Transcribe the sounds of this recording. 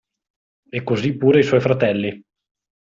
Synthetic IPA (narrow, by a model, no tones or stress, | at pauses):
ekːozipːuːɾeiswɔjfɾat̪ɛlːi